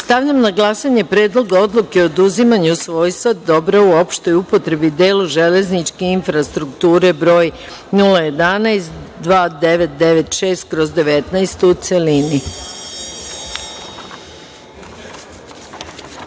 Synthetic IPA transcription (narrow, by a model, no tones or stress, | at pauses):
st̪aʋʎamnaɡlˠasaɲe̞pɾe̞ːd̪lˠo̞ɡao̞d̪lˠukeod̪uzimaɲusʋo̞ːjsad̪d̪o̞bɾauo̞pʃt̪o̞jupo̞t̪ɾe̞bid̪e̞ːluʒe̞le̞znit͡ʃkeinfɾast̪ɾukt̪uːɾe̞bɾo̞ːj | nulaje̞d̪anajst̪ | d̪ʋaːd̪eʋe̞t̪̚d̪e̞ʋe̞t̪ʃe̞ːst̪̚kɾo̞zd̪e̞ʋe̞t̪najst̪ut̪selini